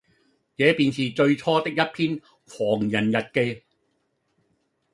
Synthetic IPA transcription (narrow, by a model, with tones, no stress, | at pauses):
t͡sɛː˨˥piː˨˧nsiː˨t͡sɵ˧ɥt͡sʰɔː˥t̪ɪ˥k̚jɐ˥t̚pʰiː˥n | kʷʰɔː˨˩ŋjɐ˨˩njɐ˨t̚ke˧j